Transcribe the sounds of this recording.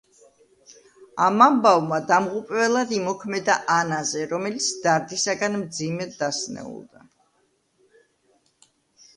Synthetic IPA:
amambavmad̪amʁupʼvɛlˠad̪imɔkʰmɛd̪aʔanazɛɾɔmɛlit̪sʰd̪̥aɾd̪isaɡanmd̪zimɛd̪asnɛ̰ṵlˠd̪a

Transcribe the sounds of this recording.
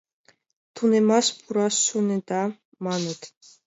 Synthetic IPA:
t̪ʰunɛmaspʰuɾɑsːunɛd̪a | manət̪

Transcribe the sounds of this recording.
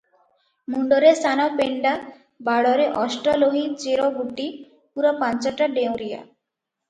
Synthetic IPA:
muɳɖɔɾesanɔpeɳɖa | baɽɔɾeʔɔsʈɔloɦit͡ʃeɾɔbuʈi | puɾɔpant͡ʃɔʈaɖew̃ɾija̰

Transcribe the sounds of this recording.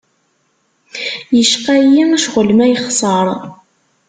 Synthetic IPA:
jəʃqæjiæʃʁələmæjχsˤəɾˤ

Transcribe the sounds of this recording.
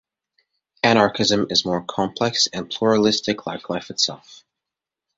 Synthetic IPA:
æɾ̃ɑɹkʰɨzɨ̃mɨzmɔɹkʰɑ̃mpʰl̥ɛksɨ̃npʰl̥uɹəlɪstɨkʰlaɪkʰlaɪfɨtsɛ̰lˠf

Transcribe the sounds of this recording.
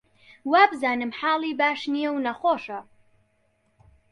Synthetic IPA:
waːbɨzaːnɨmħaːlˠiːbaːʃnijɛwnɐxoːʃɐ

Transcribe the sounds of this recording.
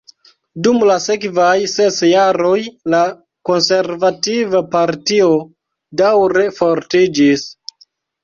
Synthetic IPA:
dumlase̞kvajse̞sjaɾo̞jla | ko̞nse̞ɾvativapaɾtio̞ | dawɾe̞fo̞ɾtid͡ʒis

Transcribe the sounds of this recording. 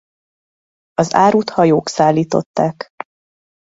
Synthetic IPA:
ɒza̰ːɾuːt̪hɒjoːksaːlːiːt̪o̞̰t̪ːaːk

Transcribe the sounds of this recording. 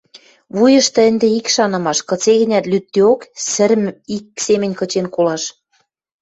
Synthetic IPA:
βujɤ̆ʃt̪ɤ̆ə̆nd̪eikʃɑnɤ̆mɑʃkɤ̆t͡seɣɘ̆nʲæt̪lyt̪ːeoksɘ̆ɾɘmiksemɘ̆nʲkɤ̆t͡ɕenkolɑʃ

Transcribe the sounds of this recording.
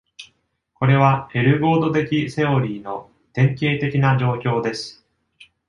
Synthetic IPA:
ko̞ɾe̞β̞ae̞ɾɯ̟ɡo̞ːd̪o̞t̪e̞kʲise̞oɾʲiːno̞ | t̪ẽ̞ŋkʲe̞ːt̪e̞kʲinaʑo̞ːkʲo̞ːd̪e̞sɨ̥

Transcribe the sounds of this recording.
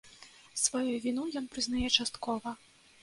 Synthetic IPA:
svajuvʲinujɔnpɾɨznajɛt͡ʂast̪kɔvɐ

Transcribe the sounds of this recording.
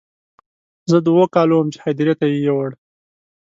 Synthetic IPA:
zəd̪wokɑlowəmt͡ʃe̥hajd̪ɪɾjat̪ajejewaɽ

